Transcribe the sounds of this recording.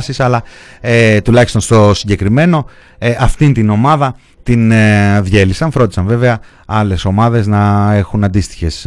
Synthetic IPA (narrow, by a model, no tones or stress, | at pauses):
sisɐlɐet̪ulɐçist̪o̞nst̪o̞siɲɟe̞kɾime̞no̞ | ʔɐft̪int̪ino̞mɐðɐ | t̪inðʝe̞lisɐɱfɾo̞d̪isɐɱve̞ve̞ɐ | ɐle̞so̞mɐðe̞znɐe̞xunɐnd̪ist̪i̥çe̞s